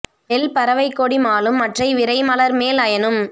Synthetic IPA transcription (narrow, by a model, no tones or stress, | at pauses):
ɛlpɐɾɐʋɐɪkːoːɽimaːlɯmːɐʈrɐɪʋɪɾɐɪmɐlɐɾmeːlɐjɐnɯm